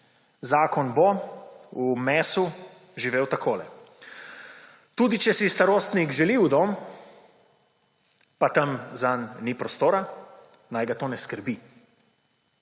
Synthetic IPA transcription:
zaːkɔnbɔ | umɛːsu | ʒiʋeːwt̪akʰoːlɛ | t̪uːd̪it͡ʃɛsist̪aɾoːst̪nikʒɛliwd̪om | pat̪ɐmzanːipɾɔst̪oːɾa | najɡat̪oːnɛskəɾbi

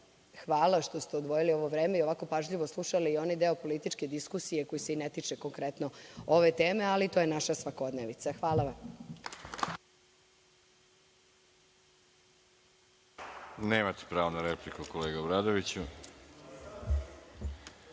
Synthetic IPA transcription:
xʋaːlaʃt̪o̞st̪e̞od̪ʋo̞jilio̞ʋo̞ʋɾeːme̞io̞ʋako̞paʒʎiʋoslˠuʃaliːo̞najd̪eopo̞lit̪it͡ʃke̞d̪iskusije̞ko̞jiseinet̪it͡ʂeko̞ŋkɾet̪no̞oʋe̞t̪eːme̞alit̪o̞jenaʃasʋako̞d̪neʋit̪saxʋaːlaʋam | neːmat̪e̥pɾaːʋonaɾeplikukoleːɡaobɾaːd̪oʋit͡ɕu

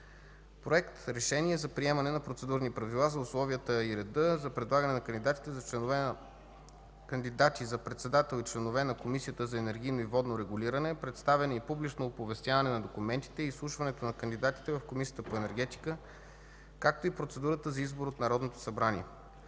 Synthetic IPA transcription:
pɾoɛkt̪ɾɛʃɛnʲiɛzɐpɾiɛmɐnɛnɐpɾot̪sɛd̪uɾnipɾɐvilˠazɐʊslˠɔviət̪əiɾɛd̪ɤzɐpɾɛd̪lˠaɡənɛnɐkənd̪id̪at̪i̥t̪ɛzɐt͡ʃ | kənd̪id̪at̪izɐpɾɛt̪sɛd̪at̪ɛlˠit͡ʃlɛnovɛnɐkomisijət̪əzɐɛnɛɾɡ̟ʲijnoivɔd̪noɾɛɡuliɾɐnɛpɾɛt̪st̪avɛnoipublit͡ʃnoːpovɛst̪javɐnɛnɐd̪okumɛnt̪i̥t̪ɛiːslˠuʃvɐnɛt̪onɐkənd̪id̪at̪i̥t̪ɛvɐfkomisijə̥t̪əpoɛnɛɾɡ̟ɛt̪i̥kə | kak̚t̪oipɾot̪sɛd̪uɾət̪əzɐizboɾot̪nɐɾɔd̪not̪o̥sɐbɾaniɛ

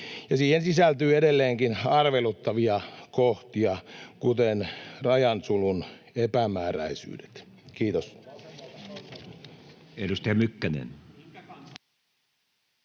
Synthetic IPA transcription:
jɑsiːhensisælt̪yːedelːeːŋkinɑrʋelut̪ːɑʋiɑkoht̪iɑkut̪enrɑjɑnsulun | epæmæːræ̰isy̰ːde̥t̪kiːt̪os | edust̪æɑmykːænḛn

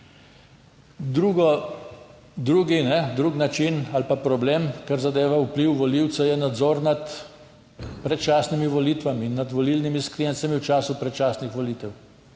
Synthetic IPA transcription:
d̪ɾuːɡɔ | d̪ɾuːɡinɛd̪ɾuːɡnat͡ʃinalpapɾɔbleːmkaɾzad̪eːʋaupliwʋɔliwt̪sɛjɛnad̪zɔːɾnat̪ | pɾɛt̪̚t͡ʃaːsnimiʋɔliːt̪ʋamiːnːad̪ʋɔlilnimiskɾijɛnsamiwt͡ʃaːsupɾɛt̪t͡ʃaːsnixʋɔliːt̪ɛw

